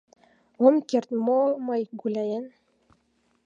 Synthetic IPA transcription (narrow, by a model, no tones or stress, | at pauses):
omkert̪momɤjɡulʲæjɘn